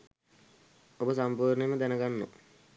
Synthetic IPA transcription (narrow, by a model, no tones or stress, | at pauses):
obəsampuːɾneməd̪ænəɡanːo̰